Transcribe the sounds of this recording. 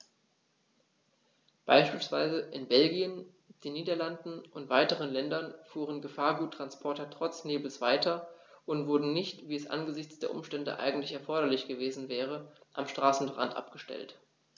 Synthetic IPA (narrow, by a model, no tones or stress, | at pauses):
b̥a̰ɪʃpiːlsv̥a̰ɪzəʔɪnbɛlɡiən | d̥eːnːiːdɐlandn̩ʔʊntv̥aɪtəʁənlɛndɐnfuːʁənɡəfaːɐɡuːtːʁ̥anspʰɔɐtɐtʁ̥ɔt͡sneːbl̩sv̥aɪtʰɐʔʊntv̥ʊɐdn̩nɪçtv̥iːɛsʔa̰nɡəzɪçt͡sd̥eːɐʔʊ̰mʃtɛndə̰ʔa̰ɪɡŋ̩tlɪçɛɐfɔɐɾɐlɪçɡ̥əveːzn̩vɛːʁ̞əʔamʃtʁ̥aːsn̩ʁa̰ntʔa̰pɡ̥əʃtɛ̰lt